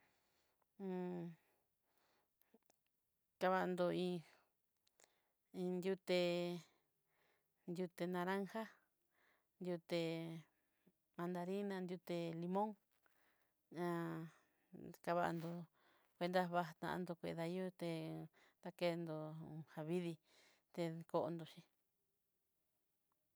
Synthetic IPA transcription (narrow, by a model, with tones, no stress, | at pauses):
ka˧βa˧ʔnd̪o˧ĩ˧ | ĩ˧nd̪ʲu˧t̪e˧ | nd̪ʲju˧t̪e˧nã˧ɾa˦ŋha˦ | nd̪ju˧t̪e˧ | mã˧nd̪a˧ɾi˦nã˧nd̪ʲju˧t̪e˧li˧mõ˦ŋ | ã˧ | ka˧βa˧a̰˧nd̪o˧ | kʷe˧nd̪a˦βa˧t̪ã̰˧nd̪o˧kʷḛ˧˨˧ða˧˦o˦t̪e˧ | t̪a˦ke˧nd̪o˧ha˧βi˦ði˧ | t̪e˧ko˧˦ʔo˧nd̪o˧ʃĩ˧